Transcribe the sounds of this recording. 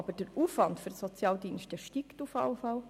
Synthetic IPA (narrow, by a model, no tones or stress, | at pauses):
ɑb̥əd̥əɾuːfʋɑntfyɾsɔt͡sjɑːldiːnʃtəʃtiːktufɑ̰lfɑl